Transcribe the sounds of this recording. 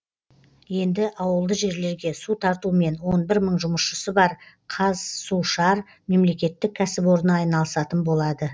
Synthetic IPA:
je̞nd̪ɪʔɑwəlˠd̪əʒe̞ɾle̞ɾɡʲe̞sut̪ʰɑɾt̪ume̞nwo̞nbɪɾməɴʒʊməsʃəsəbɑɾ | qʰɑzsuʃɑɾ | me̞mle̞kʲe̞t̪ːɪk̚ʲʰæsɪpwo̞ɾənɑɑjnɑlˠəsɑt̪ənbo̞lˠɑd̪ə

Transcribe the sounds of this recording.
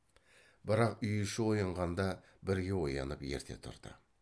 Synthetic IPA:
bəɾɑqʏjɪʃɪwo̞jɑɴʁɑnd̪ɑ | bɪɾɡʲe̞wo̞jɑ̰nəpje̞̰ɾt̪ʰe̞̰t̪ʰʊ̰ɾd̪̥ə̰

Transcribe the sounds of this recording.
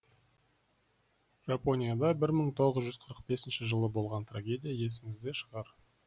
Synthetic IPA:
ʒ̥apo̞nʲijad̪ɑbɪɾməɴt̪ʰo̞ʁəzʒʏzqʰəɾəq̚be̞sɪnʃɪʒəlˠəbo̞lˠʁɑnt̪raɡʲe̞dʲijaje̞s̬ɪŋɪzd̪e̞ʃəʁɑɾ

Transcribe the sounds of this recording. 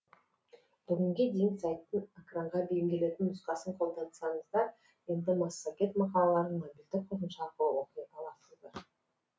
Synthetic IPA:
b̥ʏɡʲɪŋɡʲe̞d̪e̞jɪnsajt̪ːəne̞kraɴʁɑbe̞jɪmɡʲe̞le̞t̪ɪnʊsqɑsəɴqʰo̞lˠd̪ɑnsɑɴəzd̪ɑɾ | je̞nd̪ɪmɑsːokʲe̞t̪mɑqɑlˠɑlˠɑɾənmobʲild̪ɪk̚qʰoɾənʃɑqəwo̞qəjt̪ʰɑlˠɑt̪əzd̪ə

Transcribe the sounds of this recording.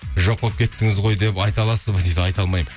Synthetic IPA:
ʒoqːˠəp̚kʲʰe̞t̪ːɪŋɪzʁo̞jd̪e̞pɑjt̪ɑlˠɑsəzbəd̪ejd̪ɪɑjt̪ɑlˠmɑjmə

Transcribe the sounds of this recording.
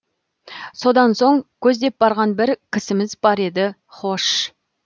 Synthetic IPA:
so̞d̪ɑnso̞ɴkʲʰɵzd̪e̞p̚bɑɾʁɑnbɪɾkʲʰɪsɪmɪzbɑɾe̞d̪ɪ | χo̞ʃ

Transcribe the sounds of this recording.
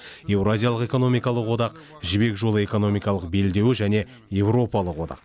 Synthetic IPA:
je̞wrazʲijalˠəqe̞ko̞no̞mijkɑlˠəqwo̞d̪ɑq | ʒɪbe̞kʒo̞lˠəe̞ko̞no̞mijkɑlˠəq̚be̞ld̪e̞wɪʒæne̞ | je̞vro̞pɑlˠəqwod̪ɑ̰q

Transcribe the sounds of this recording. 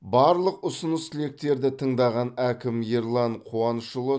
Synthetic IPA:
bɑɾlˠəqʊsənəst̪ʰɪle̞k̚t̪e̞ɾd̪ɪt̪ʰəɴd̪ɑʁɑnækʲɪmjeɾlˠɑɴqʰuɑnəʃəlˠə

